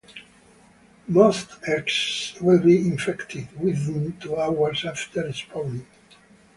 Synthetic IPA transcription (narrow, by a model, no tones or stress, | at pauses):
most̪ɛkswɪlbiĩɱfɛkt̪ʰɪdwɪðĩnt̪uawə˞sɛft̪ɛɾɛspʰõdi